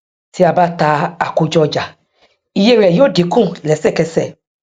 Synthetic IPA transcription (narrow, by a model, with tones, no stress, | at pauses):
ti˨˦a˧ba˦ta˧a˨ko˧d͡ʒɔ˧d͡ʒa˨ | i˨je˧˦˨ɾɛ˨jo˨˦de˨˦kũ˦˨lɛ˨˦sɛ˦˨kɛ˧sɛ˦˨